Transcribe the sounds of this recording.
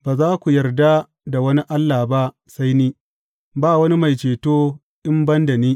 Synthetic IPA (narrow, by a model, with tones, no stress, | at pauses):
baː˨zaː˦kʷu˨jɐ˨rda˦ | da˨wɐ˦ni˦ʔa˦lːaː˨ba˦ʔ | sa˦jniː˦ | baː˦˨wɐ˦ni˦ma˨jt͡ʃeː˨toː˦ | ʔɪ˦mbɐ˦nda˨niː˦